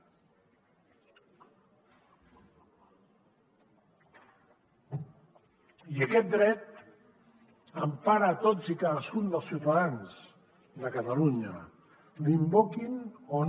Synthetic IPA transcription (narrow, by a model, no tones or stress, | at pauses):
iəkɛt̪̚d̪ɾɛt̪ | əmpaɾəːt̪od͡zikaðəskund̪əlˠsjiuwt̪aðanz | d̪əkət̪əluɲə | limbokinon